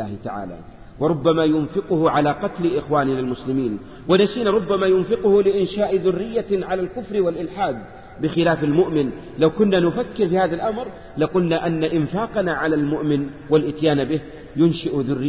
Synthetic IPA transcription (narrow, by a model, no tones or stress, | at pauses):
aːhɪt̪aʕa̰ːla̰ː | wɑɾˤʊbːamajʊnfɪqʊhʊʕalaːqɑt̪lɪʔɪxwaːnɪnalmʊslɪmiːn | wanasiːnaɾˤʊbːamaːjʊnfɪqʊhʊlɪʔɪnʃaːʔðʊrːɪjːaʕalalkʊfɾwalʔɪlħaːd̪̚ | bɪxɪlaːfalmʊʔmɪn | lawkʊnːanʊfakːɪɾfiːhaːðalʔamɾ | laqʊlnaʔanːaʔɪnfaːqɑnaʕalalmʊʔmɪn | walʔɪt̪jaːnbɪh | jʊnʃaʔðʊrːɪ